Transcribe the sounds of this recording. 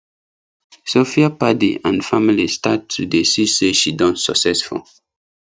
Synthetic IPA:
sofiapadḭãnfamilistatʰːudesiseʃidɔ̃ntsɔ̰ksɛsfɔ̰

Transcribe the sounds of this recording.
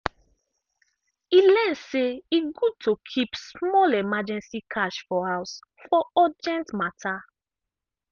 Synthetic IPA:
ilɛ̃nseiɡud̚tokʰipsmɔlemad͡ʒɛ̃nsikʰaʃfɔhaʊs | fɔɔd͡ʒɛ̃ntmatʰa

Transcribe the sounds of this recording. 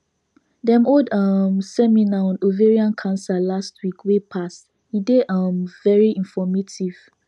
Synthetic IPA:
dɛ̃modʌmsɛminaɔ̃noveɹiãnkʰãnsalastʰwikwepʰast | hideʌmvɛɹiĩnfɔmetʰiv̥

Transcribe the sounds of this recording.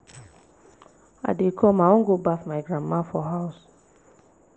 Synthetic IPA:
a̰dekʰɔmawɔ̃ŋɡobafmaɪɡɹamːafɔɦaʊs

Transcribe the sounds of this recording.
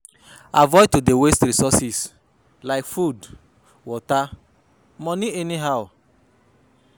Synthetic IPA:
a̰vɔɪtodewestɾisɔsis | laɪkfud | wɔta | mɔniɛniɦaʊ

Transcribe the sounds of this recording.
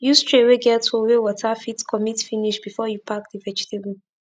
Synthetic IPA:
justɹeweɡɛtʰowewɔtʰafitkʰɔmitfiniʃbifɔjupʰak̚divɛd͡ʒitʰebul̩

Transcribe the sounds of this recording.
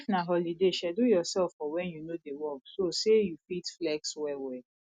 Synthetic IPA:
knaɦɔlideʃɛdojɔsɛlfɔwɛ̃njunodewɔksosejufitflɛkswɛwɛ

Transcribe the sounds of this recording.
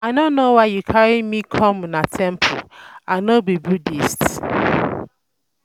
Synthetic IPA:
adõnnːowaɪjukʰaɹimikʰɔ̃mnatʰɛ̃mpʰo̰aɪnobibudist

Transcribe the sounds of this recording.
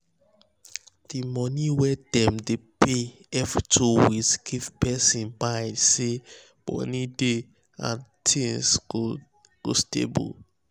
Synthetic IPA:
d̥imɔniwɛdɛ̃mdepeɛvtʰowiskʰifpɛsĩnbaɪdse | m̥ɔ̰nide | ã̰ntʰĩnsɡo | ɡ̥ostḛbṵl

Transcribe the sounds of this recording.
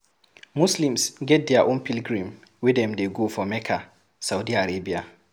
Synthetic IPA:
muslĩmsɡɛt̚dɛaʔõnpilɡɹĩm | widɛ̃mdeɡofɔmɛkʰa | sawdiaɹebia

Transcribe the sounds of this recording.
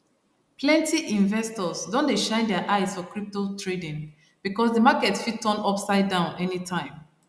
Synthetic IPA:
pʰlɛ̃ntʰiʔĩɱvɛstɔzdɔ̃ndeʃãɪ̃ndɛaʔaɪzfɔkɹip̚totʰɹedĩn | b̥ikɔsdəmakɛtfitʰːɔ̃nɔpsaɪdãʊ̃nɛnitʰãɪ̃m

